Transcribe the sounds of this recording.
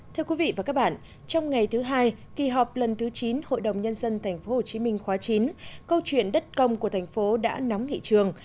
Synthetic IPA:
t̪ʰɨ˧əki˨˦vḭ˧˨vaː˨˩kaː˦˥k̚ɓa̰ː˧˨n | t͡ɕɔ˧wŋ͡mŋa˨˩jt̪ʰɨ˨˦ɦaː˧jki˨˩ɦɔ˨˩p̚lə˨˩nt̪ʰɨ˨˦t͡ɕi˨˦nho̰˧˨jɗə˨˩wŋ͡mɲə˧nzə˧nt̪ʰɛ˨˩jŋ̟fo˨˦ho˨˩t͡ɕi˨˦mï˧ŋ̟xwaː˨˦t͡ɕi˨˦nkə˧wt͡ɕwḭ˧˨ənɗə˦˥t̚kə˧wŋ͡mku˧˩ət̪ʰjŋ̟fo˨˦ɗa̰ː˧˥nɔ˨˦wŋ͡mŋḭ˧˨t͡ɕɨ˨˩əŋ

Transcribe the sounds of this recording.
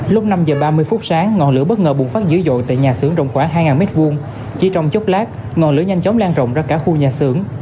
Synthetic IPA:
lʊ˦˥k͡p̚na˧mzəː˨˩ɓaː˧mɨ˧əjfʊ˦˥t̚saː˨˦ŋːɔ˨˩nlɨ̰˧˥əɓə˦˥t̚ŋəː˨˩ɓu˨˩nfaː˦˥t̚zɨ̰˧˥˦zo̰˧˨jt̪a̰ː˧˨jɲaː˨˩sɨ˨˦əŋzə̰˧˨wŋ͡mxwaː˧˩ɦaː˧jŋaː˨˩nme˦˥t̚vu˧əŋ | t͡ɕi˧˩t͡ɕɔ˧wŋ͡mt͡ɕo˦˥k͡p̚laː˦˥k̚ | ŋɔ˨˩nlɨ̰˧˥əɲa˧jŋ̟t͡ɕɔ˨˦wŋ͡mlaː˧nzə̰˧˨wŋ͡mzaː˧kaː˧˩xu˧ɲaː˨˩sɨ˧˩əŋ

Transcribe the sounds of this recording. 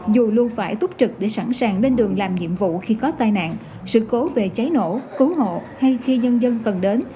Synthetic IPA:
zu˨˩lu˧ənfaː˧˩jt̪ʊ˦˥p̚t͡ɕɨ˨˩k̚ɗe˧˩sa˧˩nsaː˨˩ŋle˧nɗɨ˨˩əŋlaː˨˩mɲḭ˧˨əmvṵ˧˨xi˧kɔ˨˦t̪aː˧jna̰ː˧˨nʔ | sɨ̰˧˨ko˨˦ve˨˩t͡ɕa˨˦jno̰˧˥kɨ˨˦ɦo̰˧˨ha˧jxi˧ɲə˧nzə˧nkə˨˩nɗe˨˦n

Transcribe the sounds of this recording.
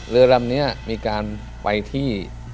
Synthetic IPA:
ɾɯ˧ɐɾa˧mni˦˥ɐmiː˧kaː˧n | pa˧jt̪ʰiː˥˩

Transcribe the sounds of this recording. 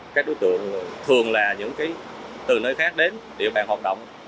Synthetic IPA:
kaː˦˥k̚ɗo˨˦jt̪ɨ̰˧˨əŋ˨˩t̪ʰɨ˨˩əŋlaː˨˩ɲɨ̰˧˥ŋkaː˨˦j | t̪ɨ˨˩nəː˧˦jxaː˦˥k̚ɗe˨˦nɗḛ˨˧˩wɓaː˨˩nhwaː˨˩t̚ɗo̰˧˨wŋ͡m

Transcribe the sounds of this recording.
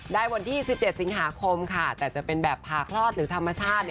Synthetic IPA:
daː˥˩jwa˧nt̪ʰiː˥˩si˨˩p̚t͡ɕe˨˩t̪̚si˩˦ŋɦaː˩˦kʰo˧mkʰa˥˩t̪ɛː˨˩t͡ɕa˨˩pe˧nbɛː˨˩pʰːaː˨˩kʰɾɔː˥˩t̪̚ɾɯː˩˦t̪ʰa˧mːa˧t͡ɕʰaː˥˩t̪̚

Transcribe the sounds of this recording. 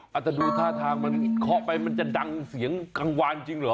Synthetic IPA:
ʔa˨˩t̪̚ːɛ˨˩duː˧t̪ʰaː˥˩t̪ʰaː˧ŋma˧nkʰɔ˦˥pa˧jma˧nt͡ɕa˨˩da˧ŋsi˨˩˦əŋka˧ŋwaː˧nt͡ɕi˧ŋlɯː˨˦

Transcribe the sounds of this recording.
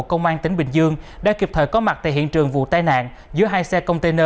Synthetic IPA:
t̚kə˧wŋ͡mʔaː˧nt̪ï˨˦ŋ̟ɓï˧˩ŋ̟zɨ˧əŋɗa̰ː˧˥ki˨˩p̚t̪ʰəː˨˩jkɔ˨˦ma˨˩t̚t̪a̰ː˧˩ɦḭ˧˨ənt͡ɕɨ˨˩əŋvṵ˧˨t̪aː˧jna̰ː˧˨n | zɨ˨˦əɦaː˧jsɛ˧kə˧wŋ͡mt̪e˧nəː˧

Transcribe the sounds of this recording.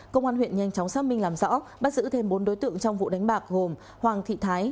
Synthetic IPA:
kə˧wŋ͡mʔaː˧hwḭ˧˨ənɲa˧jŋt͡ɕɔ˨˦wŋ͡msaː˦˥p̚mï˧ŋ̟laː˨˩mzɔ̰˧˥ɓa̰ː˦˥t̚zɨ̰˧˥t̪ʰe˧mɓo˨˦nɗo˨˦jt̪ɨ̰˧˨əŋt͡ɕɔ˧wŋ͡mvṵ˧˨ɗa˨˦jŋ̟ɓaː˨˩k̚ɣo˨˩m | hwaː˨˩ŋt̪ʰḭ˧˨t̪ʰaː˨˦j

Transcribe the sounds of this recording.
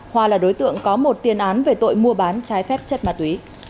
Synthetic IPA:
hwaː˨˧˩laː˨˩ɗo˨˦jt̪ɨ̰˧˨əŋkɔ˨˦mo˨˩t̚t̪i˨˩ənʔaː˨˦nve˨˩t̪o̰˧˨jmu˧əɓaː˨˦nt͡ɕaː˨˦jfɛ˦˥p̚t͡ɕə˦˥t̚maː˨˩t̪wi˨˦

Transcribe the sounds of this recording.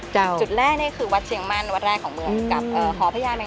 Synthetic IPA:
t͡ɕa˧wt͡ɕu˨˩t̪̚ɾɛː˥˩k̚ni˦˥˩əkʰɯː˧wa˦˥t̪̚t͡ɕʰi˨˩˦əŋma˧˩nwa˧˦t̪̚ɾɛː˥˩kʰːɔː˩˦mɯ˧əŋka˨˩p̚ʔɤː˨˩kʰɔː˩˦pʰaː˧˥jaː˧nmɛ˧

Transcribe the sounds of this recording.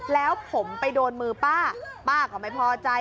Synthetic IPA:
lɛː˦˥wpʰo˩˦mpa˧jdoː˧nmɯː˧paː˥˩paː˥˩kɔː˨˩ma˥˩jpʰɔː˧t͡ɕa˧

